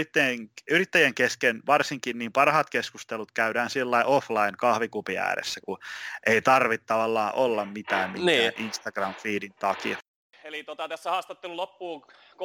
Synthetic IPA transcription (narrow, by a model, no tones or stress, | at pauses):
it̪ːæjeŋyrit̪ːæjæŋkeskenʋɑrsiŋkinniːmpɑrhɑt̪keskust̪elut̪kæydæːnsilːɑiʔoflɑinkɑhʋikupiæ̰ːɾḛsːækuʔeit̪ɑrʋit̪ːɑʋɑlːɑːʔolːɑmmit̪æːmminːæʔinst̪ɑɡ̥rɑmfiːdint̪ɑki | elit̪ot̪ɑt̪æsːæhɑːst̪ɑt̪ːelulopːuː | k